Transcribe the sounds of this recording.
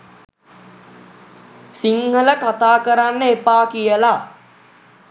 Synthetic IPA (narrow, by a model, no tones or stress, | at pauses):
siŋhələkat̪aːkəɾanːəepaːkijəla